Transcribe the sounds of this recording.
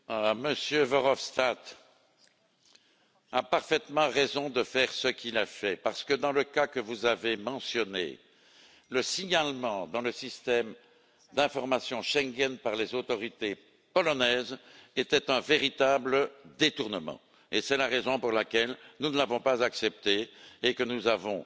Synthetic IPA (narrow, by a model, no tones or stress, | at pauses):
məsjøvɔʁɔfst̪at̪ | apaʁfɛt̪mɑ̃ʁezɔ̃d̪əfɛʁsəkʲʰilafɛpaʁsə̥kəd̪ɑ̃ləkakəvuzavemɑ̃sjɔnḛ | ləsiɲalmɑ̃d̪ɑ̃ləsist̪ɛm | d̪ɛ̃fɔʁmasjɔ̃ʃɛŋɡʲɛnpaʁlezot̪ɔʁit̪e | pɔlɔnɛːzet̪ɛt̪ɛ̃veʁit̪abləd̪et̪uʁnəmɑ̰̃ | esɛlaʁezɔ̃puʁlakʲɛlnunəlavɔ̃pazaksɛp̚t̪eːkənuzavɔ̰̃